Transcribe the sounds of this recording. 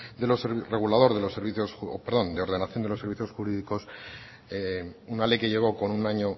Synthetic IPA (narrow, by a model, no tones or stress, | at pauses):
d̪e̞lo̞seβre̞ɣulaðo̞ɾðe̞lo̞se̞ɾβiθjo̞so̰peɾðo̞nd̪e̞o̞ɾðe̞naθjond̪elo̞sːe̞ɾβiθjo̞sxuɾiðiko̞s | eunale̞jke̞ʝe̞ɣ̞o̞ko̞nunaɲo̞